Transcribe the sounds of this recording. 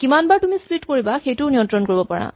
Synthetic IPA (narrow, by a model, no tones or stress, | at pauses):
kimanbaɹtumisplitkoɹibaxejtʊnijɔ̃ntɹɔnkoɹibɔpaɹa̰